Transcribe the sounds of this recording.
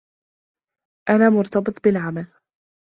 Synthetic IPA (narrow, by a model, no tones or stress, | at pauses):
ʔanaːmʊɾˤt̪ɑbɨt̪ˤbɪlʕamal